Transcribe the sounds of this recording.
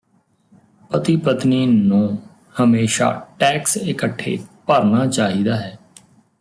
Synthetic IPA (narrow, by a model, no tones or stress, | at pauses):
pət̪ipət̪niːnũː | həmeːʃa̰ːʈɛːksɪkəʈʰːḛːpəɾnaːt͡ʃaːɦiːd̪aːɦɛː